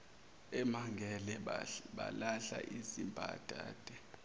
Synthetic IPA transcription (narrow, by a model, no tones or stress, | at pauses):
ɛmaŋɡʱɛlɛɓa̰laɬa̰ʔizimbʱa̰d̥ʱa̰ːd̥ʱɛ